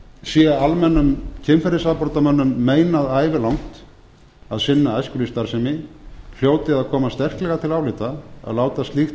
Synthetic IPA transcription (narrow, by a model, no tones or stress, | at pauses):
sjɛalmɛnːʏmcʰɪmfɛɾɪsaðpɔɾt̪amœnːʏmːeːjnaðaːjvɪlawŋ̥t̪ | aðsɪnːaajskʏlist̪aɾ̥sɛmɪfjoːwt̪ɪaðkʰɔːmast̪ɛr̥klɛɣat̪ʰɪlawlɪt̪aa̰ðlaːwt̪ast̪lixt̪